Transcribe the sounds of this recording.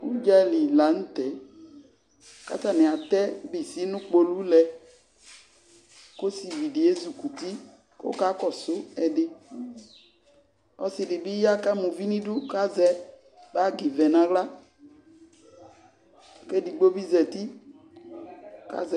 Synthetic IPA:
u˦d͡ʒa˦li˨la˨n̩˦t̪ɛ˨˦ | ka̰˦ta˨nɪ̃˨a˨t̪ɛ˦bɪ˨si˦nʊ̃˦k͡po˦lu˦lɛ˧ | ko˦si˨vi˨dɪ˨e˦zu˨ku˨ti˦ | ko̰˦ka˦kɔ˨sʊ˦ɛ˨dɪ˦ | ɔ˦sɪ˨dɪ˨bɪ˦ja˦ka˦mũ˨vi˦nĩ˦du˦ka˦zɛ˦ | ba˦ɡi˨vɛ˨nã˨ɣla˦ | kɛ˦di˨ɡ͡bo˦bi˦zɛ˨ti˦ | ka̰˦zɛ˨

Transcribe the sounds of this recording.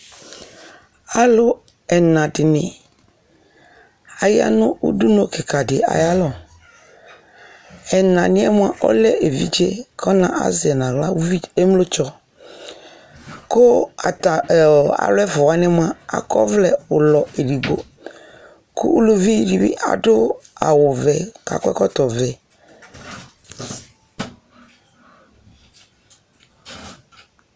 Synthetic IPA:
a˦lʊ˦ | ɛ˨nã˨dɪ˨nɪ˨ | a˨ja̰˨nʊ̃˦ʔṵ˦du˦no˦kɪ˨ka˨dɪ˨a̰˨ja˦lɔ˦˨ | ɛ˨nã˨nɪ̃˦ɛ˦mʊ̃˦a˦ʔɔ̰˦lɛ˦ʔe˨vḭ˦d͡ʒe˦kʰɔ˦nã̰˨ʔa̰˦zɪ˨ɛ˨nã˨ɣla˦i˦e˦m˦lo˦t͡ʃɔ˦ | kʊ˦a˨ta̰˨lɛ˦fʊ˨a˦nɪ˦m˦ã˦a̰˨kɔ̰˦vlɛ˨ʊ˨lɔ˨e˨ɖi˨ɡo˦ | kʰʊ̰˦lo˨vi˦˨di˨bḭ˦ʔa̰˨dʊ˦a̰˨wʊ˨vɛ˨ka̰˨kʷɛ̰˦kɔ˦t̪ɔ˨vɛ˨

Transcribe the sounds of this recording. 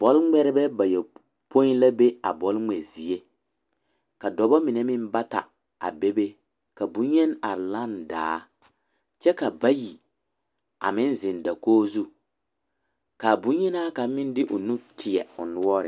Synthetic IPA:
b̥ɔ˦lŋ͡mɛ˦ɾɪ˦bɛ˦ba˨jɛ˨ | po˦i˦nla˦be˦a̰˨bɔ˨lŋ͡mɛ˨zi˨e˦ | ka˨dɔ˨bɔ˦mɪ˨nɛ˦mɪ˦n˦ba˦ta̰˨ | a̰˨be˦be˦ | ka˨bũ˨˦ɲɛ˦na˨la˦nda̰ː˨˦ | t͡ʃɛ˦ka˨ba˦ji˨ | a̰˨mɪ̃˦nzɪ˨nda˨koː˦zu˦ | ka˨bũ˨˦ɲɛ˦na˦ka˨mɪ˦n˦dɪ˦ʔʊ˨nu˦tʰɪ˨ɛ̰˨ʊ̰˨nʊ˦ɔ˦ɾɪ̰˨

